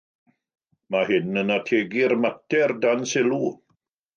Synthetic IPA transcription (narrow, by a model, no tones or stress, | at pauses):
mahɪnənatʰeːɡirmatʰɛrdansɪlˠu